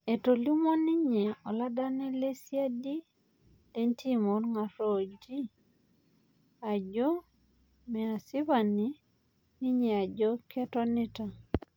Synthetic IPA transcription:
e˨to˨li˦mɔ˦ni˦ɲe˨ɔ˨la˦da˦nɛ˦le˦sja˦di˦ | le˦ntʰi˦mo˨nŋa˨ɾo˦d͡ʒi˦ | a˨d͡ʒɔ˦ | mɛ˨a˨sɪ˦βa˨ni˨ | ni˦ɲɛ˨a˨d͡ʒɔ˦kʰɛ˦tɔ˦nɪ˦ta˨

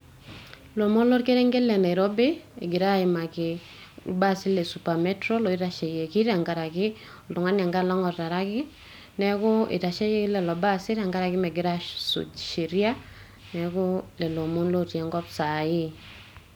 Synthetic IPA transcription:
lo˨mo˦nlo˦ɾke˦ɾɛ˦ŋɡe˦lɛ˨na˨i˨ɾɔ˦be˦e˨ɡɪ˨ɾa˦ɪ˨ma˨kɪ | ṵ˨ba˦sɪ˦lɛ˨su˨pa˨mɛ˦tɾɔ˦lɔ˨i˦ta˨ʃe˨je˨ki˦ɾa˨ŋɡa˨ɾa˨kɪ˦ | ɔ˨ltʊ˨ŋa˦nja˨ŋɡa˦lɔ˦ŋɔ˨rta˨ɾa˦kɪ˦ | nɛ˦kɔ˦ɪ̰˨ta˨ʃe˦je˦klɛ˨lɔ˨ba˦sɪ˦ɾa˨ŋɡa˦ɾa˨kɪ˦mɛ˨ɡɪ˨ɾa˦sṵ˨ʃi˨ɾja˦ | nɛkɔ˦lɛ˨lo˨mo˦nlo˦ɾjɛ˨ŋɡɔ˦psa˨ɪ˦

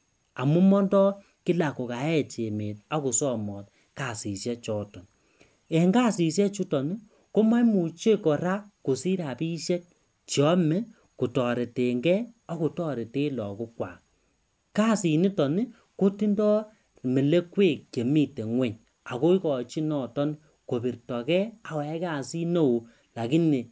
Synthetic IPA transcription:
a˨mu˦mɔ˦ndɔ˦ | kɪ˦la˨ko˨ka˨˦ɛ˦t͡ʃe˨me˨t̚a˦ku˨sɔ˦˨mɔ˨t | ka˨si˨sjɛ˦t͡ʃɔː˨tɔ˨n | ɛ˨ŋɡa˦˨si˨sjɛ˦t͡ʃu˦tɔ˨ni˦ | ko˦ma˦jmu˨t͡ʃe˦kɔ˨ɾa˦ko˨si˦ɾa˨pi˦ʃe˦k̚ | t͡ʃjɔ˦mɛ˦ | ku˨tɔ˨ɾe˨te˨ŋɡɛ˦ɔ˦ku˨tɔ˦ɾe˨te˦lɔ˨ko˦kwa̰˨ | ka˦si˨ni˦tɔ˨ni˦ | ko˦ti˦ndɔ˦ | me˨le˦kwe˦˨k̚ke˨mi˦te˨ŋwɛ˦ɲ | a˨ko˦i˦kɔ˨t͡ʃi˦nɔ˦˨tɔ˦n | ko˨bi˨ɾtɔ˨kɛ˦a˨wɛ˨a˦ka˨si˦no˦˨o˨ | la˨ki˦ni˨

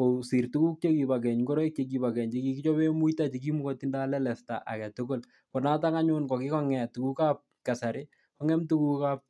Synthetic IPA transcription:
ko˨si˨rtu˦ku˦k̚t͡ʃe˦ki˨ba˨k̬ɛ˨ɲɡo˦ɾɔ˦i˦k̚t͡ʃek̬i˨ba˨kɛ˨ɲt͡ʃeki˦ki˦t͡ʃɔ˦be˦mu˦ita˦t͡ʃi˨k̬i˦mu˦kɔ˦ti˦nda˦lɛ˦lɛ˨sta̰˨ʔa̰˨kɛ˨toɡo˦˨l | pɔ˨na˦ta˦ka˦ɲʊnkɔ˨kɪ˦kɔ˦ŋɛ˨tu˨ku˦ka˦p̚ka˨saɾɪ | kɔ˦ŋɛ˦mtu˦ku˦kap̚

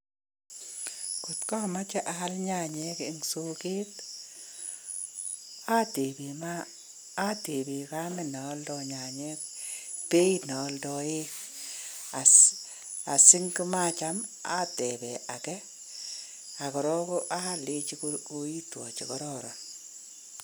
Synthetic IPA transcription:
ku˨tkɔ˦˨ma˦t͡ʃɛ˦ʔa˨˦lɲa˦˨ɲɛ˦kɪ˨ŋso˦ke˦t | a˦te˨be˨maː˦ | te˨be˨ka˦mɛ˨na˨˦ldɔ˨ɲa˨ɲɛ˦k̚ | pe˦i˦nɔ˨˦ldɔ˨e˦k | a˨ | a˨si˦ŋki˦ma˦t͡ʃa˦m | a̰˦tɛ˨bɛ˨ʔa˨kɛ˦ | a˨kɔ˨ɾɔ˦kɔ˦ʔa˦lɪ˦t͡ʃi˦kkoi˦twɔ̰˨t͡ʃi˨kɔ˦ɾɔ˦ɾɔ˨n

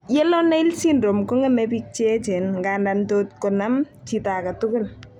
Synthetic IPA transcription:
jɛ˦lɔ˦nɛ˦ɪ˦lsindɾo˨mko˦ŋɛ˦mɛpi˦k̚t͡ʃɛ˦t͡ʃɛ˨nŋɡanda˨ntot̚kɔ˨na˦m | t͡ʃi˨ta˨ka˨tʊ˦kʊ˦l

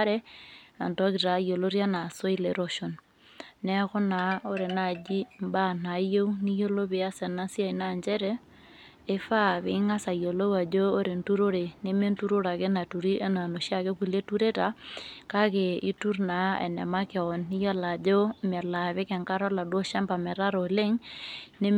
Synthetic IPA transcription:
ɾɛ˦a˨ntɔ˦ki˨ta˨jo˨lo˦ɾja˦na˨so˦i˦leɾo˦ʃo˨n | nɛ˦ko˦na˨˦o˦ɾe˨na˨d͡ʒi˦mba˦˨na˨jo˦uni˦jo˦lo˦βe˨a˦sɛ˨na˦sja˦ina˦˨ɲd͡ʒɛ˦ɾɛ˦ | e˦fa˦βe˨˦ŋa˦sa˨jo˨lo˦wa˨d͡ʒoː˦ɾe˨ntu˦ɾo˦ɾe˨ne˦me˦ntu˦ɾo˦ɾa˨ke˦na˨tu˨ɾi˦ʔe˦na˨no˨ʃja˦ke˦ku˨le˦tu˦ɾe˦ta˨ka˦ke˨i˦tu˦ɾna˨ɛ̰˨nɛ̰˨ma˦ke˨ɔ˨nːi˦ja˦la˨d͡ʒo˦mɛ˨la˨βe˦kɛ˨ŋka˦ɾɔ˦la˨dwo˦ʃa˦mba˨mɛ˨ɾa˦ɾo˨le˦ŋne˦

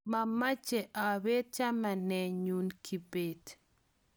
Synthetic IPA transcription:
ma˨ma˦t͡ʃɛ˨ʔa˨we˦t͡ʃa˦ma˨nɛ˨ɲu˨nkʰi˨be˨d

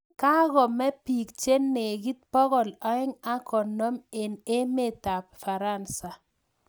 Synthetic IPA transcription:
ka˦ɣɔ˨mɛ˦pi˨kt͡ʃe˦nːe˨ɡi˦t̪̚pɔ˦ɣɔ˨lɔ˨˦ɪ˦ŋa˦kɔ˨nɔ˦me˨ne˦me˦˨t̪a˨pfa˨ɾa˦˨nsa˨

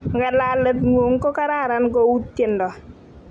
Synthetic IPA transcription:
ŋɡa˨la˨lɛ˨tŋwo˨ŋ˦kɔ˦ka˦ɾa˦˨ɾa˨˦nɡo˦u˦tːe˨ndɔ˨

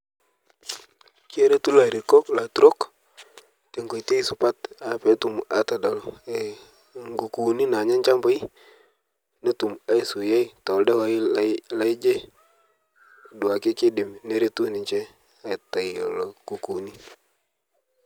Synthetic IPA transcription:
ki˦e˦ɾe˦tu˦la˨ɾi˨ko˦kla˨tu˦ɾo˦k | te˨ŋɡo˨jte˦i˦sʊ˨pa˦ta˨˦pe˨˦tu˨ma̰˨ta˨da˨le˨ | ŋɡu˨ku˨ni˦na˨ɲa˦ɲt͡ʃa˦mba˦i˦ | ne˦tu˨ma˦i˨su˨ja˦i˨tɔ˨lde˦wa˦la˦ɪ˦d͡ʒe˦ | dʊ˨a˨kɪ˦kɪ˦dɪ˨mne˦ɾe˦tu˦nɪ˨ɲt͡ʃɛ˦ | a˦˨ta˨i˨o̰˨lo˨ku˨ku˨ni˦

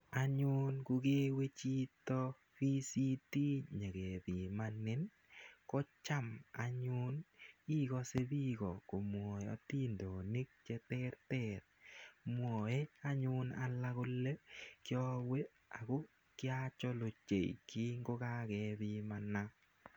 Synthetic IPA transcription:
a˨ɲʊ˦nkʊ˧ɡe˦we˦t͡ʃi˦tɔ˦ | fi˦si˦ti˦ɲe˨ɡe˨ði˨manɪ˦n | kɔ˦t͡ʃa˦ma˨ɲʊ˦ni˦kɔ˦se˦bi˦kɔ˨ko˨mwɔ˨ɔ̰˨ti˦ndo˨ni˦k̚t͡ʃe˦tɛ˦ɾtɛ˦t̚mwɔ˨e˦a˦ɲʊ˦na̰˦la˦ko˦le˦kjɔ˦we˦ | a˨ko˦ | kɪ˦a˦t͡ʃɔ˦lo˨t͡ʃḛ˨iki˦ŋɡo˦ka˦ke˨˦ði˦ma˨na˦

